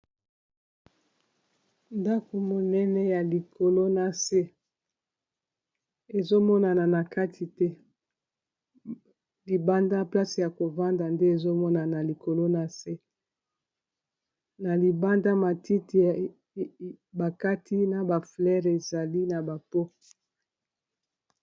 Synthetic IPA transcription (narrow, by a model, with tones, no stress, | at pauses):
nda˦ko˨mo˨nɛ˦nɛ˦ja˨li˨ko˨lo˦na˨se˦ | e˨zo˦mɔ˦na˨na˨na˨ka˦tʰi˨tɛ˦ | li˨ba˦nda˦pla˦si˨ja˨ko˨va˦nda˨nde˦e˨zo˦mɔ˦na˨na˨li˨ko˨lo˦na˦se˦ | na˨li˨ba˦nda˦ma˨ti˦ti˨ | ba˨ka˦tʰi˦na˨ba˨flɛ˦ʁe˨za˨li˦na˨ba˨po˦